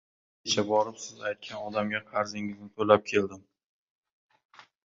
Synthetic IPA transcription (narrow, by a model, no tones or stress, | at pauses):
kʲet͡ʃʰabɒɾɪpsɪzajt̪̚kʲʰanɒd̪amɡʲaqʰɑɾzɪŋɪznɪt̪ʰolap̚kʲʰe̞ld̪ɪm